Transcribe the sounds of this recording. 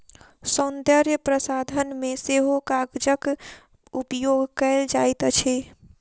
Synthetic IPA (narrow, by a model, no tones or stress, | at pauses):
sõnd̪əɾjəpɾəsad̪ʱənmeseɦokaɡd͡ʒək | upjoɡʱkəɪld͡ʒajt̪ət͡ʃʰe